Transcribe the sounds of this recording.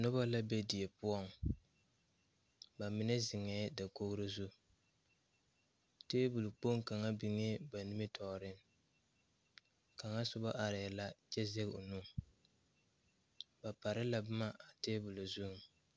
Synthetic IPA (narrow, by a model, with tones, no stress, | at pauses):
nʊ˦ba˦la˦be˦di˨ɛ˨pʊ˦ɔ˦ŋ | ba˨mɪ˦nɛ˦zɪ˨ŋɛː˦da˨ko˦ɣɾo˦zu˦ | teː˦bʊ˨lu˨k͡po˦ŋka˨ŋa˦bi˨ŋe˦ba˨nɪ˦mɪ˦tʰɔ˨ɾɪ˦ŋ | ka˨ŋa˦sʊ˦ba˦ʔa˨ɾɪ˨ɛ˨la˦t͡ʃɛ˦zɛ˦ɣʊ˨nu˦ | ba˨pa˨ɾɪ˦la˨bʊ˦ma˦ʔa˨teː˦bʊ˨lʊ˨zu˦ŋ